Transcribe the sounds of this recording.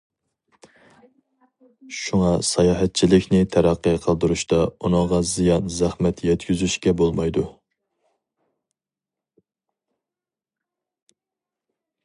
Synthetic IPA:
ʃuŋɑsɑjɑːɦɛt̪̚t͡ʃʰilɪkʲnɪt̪ʰæɾæqːəqʰəlˠd̪uɾuʃt̪ɑunəŋʁɑzijɑnzæχmɛt̪jɛt̪kʲyzyʃkʲɛbolˠmɑjd̪u

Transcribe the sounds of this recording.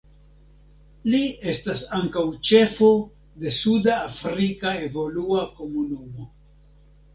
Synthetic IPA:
lie̞stasaŋkawt͡ʃe̞fo̞ | de̞sudaːfɾikae̞vo̞luako̞munumo̞

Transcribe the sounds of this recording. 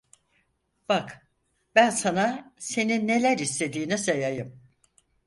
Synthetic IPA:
b̥ak | bænsanase̞ninːe̞lʲæɾist̪ʰe̞d̪iːnɛsejajɯm

